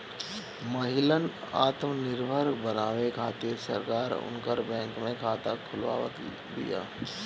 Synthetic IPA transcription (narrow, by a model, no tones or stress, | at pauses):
məɦɪlən | a̰ːt̪mnɪɾbʱəɾbənaːʋekʰaːt̪eɾsə̰ɾkaːɾʊ̰nkəɾbɛ̃ːŋkmẽkʰaːt̪akʰʊlʋa̰ːʋə̰t̪ | d̪ḭja̰ː